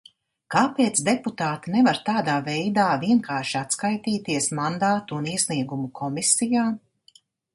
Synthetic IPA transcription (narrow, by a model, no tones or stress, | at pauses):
kaːpeːt̪sd̪eput̪aːt̪inɛvaɾt̪aːd̪aːvɛjd̪aːviɛŋkaːɾʃiat̪skajt̪iːt̪iɛsmand̪aːt̪uːniɛsʲniɛɡumukʰɔmisijaː